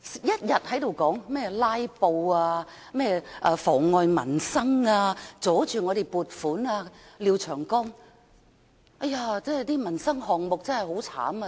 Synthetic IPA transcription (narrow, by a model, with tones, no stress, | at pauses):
jɐ˥t̚jɐ˨t̚hɐ˨˥jt̪o˨˧wkɔː˨˥ŋmɛː˥˩laː˥jpo˧waː˧ | mɛː˥˩ʔaː˧fɔː˨˩ŋːɔː˨˧jmɐ˨˩nsɐ˥ŋaː˧t͡sɔː˨˥t͡ʃyː˨ŋɔː˨˧ɾe˨jpuː˨t̚fuː˨˥naː˧liː˨˧wt͡ʃʰœː˨˩ŋkɔː˥ŋ | ɐ˥jaː˧t͡sɛː˥˨jt̪iː˥mɐ˨˩nsɐ˥ŋhɔː˨ŋmo˨k̚t͡sɐ˥nhɐ˨jɦo˨˥wt͡sʰa̰ː˨˥mɐ˧